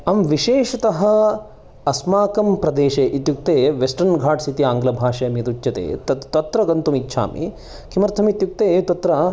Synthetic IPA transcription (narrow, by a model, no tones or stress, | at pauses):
ɐmʋiʃeːʃɐt̪ɐɦɐ̆ | ɐsmaːkɐmpɾɐd̪eːʃeːʔit̪juk̚t̪eːʋesʈɐɾnɡʱaːʈsit̪iaːŋɡlɐbʱaːʃɐjɐmijɐt̪ut͡ʃːt͡ʃːɐt̪ḛːt̪ɐt̪ɐt̪ɾɐɡɐnt̪umitːʃʰa̰ːmʔḭ | kʰimɐɾt̪ʰɐmit̪juk̚t̪eːt̪ɐt̪ɾɐ